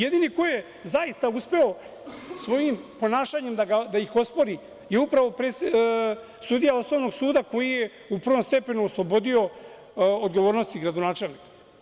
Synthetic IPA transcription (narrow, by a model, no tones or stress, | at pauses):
je̞d̪iniko̞jije | zaist̪auspe̞o̞ | sʋo̞jimpo̞naːʃaɲe̞md̪aɡad̪aixo̞spo̞ɾi | jeupɾaʋo̞pɾese | sud̪ijao̞sno̞ʋno̞ɡsuːd̪ako̞jije | upr̩ʋo̞mst̪e̞pe̞nuoslˠobo̞d̪io̞ | od̪ɡo̞ʋoːɾnost̪iɡɾad̪onaːt͡ʃe̞lnikḁ